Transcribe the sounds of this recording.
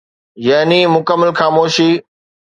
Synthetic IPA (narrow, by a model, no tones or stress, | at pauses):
jaːnimʊkəmːəlxaːmoːʃiː